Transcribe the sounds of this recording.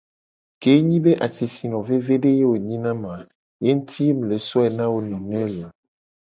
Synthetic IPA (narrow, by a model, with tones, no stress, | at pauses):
ke˨˦ɲĩ˦be˦ʔa˨si˨si˨nɔ̃˨ve˦ve˦ɖe˦je˦wo˨ɲĩ˦nã˦mã˨ | je˦n̩˦t̪ʰi˦e˦m̩˨le˨sɔ˦ɛ˨nã˦wo˦nĩ˨nɛ̃˦lã˨